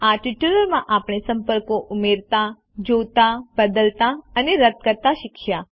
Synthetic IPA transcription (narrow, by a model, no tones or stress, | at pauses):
aʈiʈuləɾmãʔapɳ̃esə̃mpəɾkoʔʊmeɾt̪a | d͡ʒot̪abəd̪əlt̪aəneɾət̪̚kəɾt̪aʃɪkʰja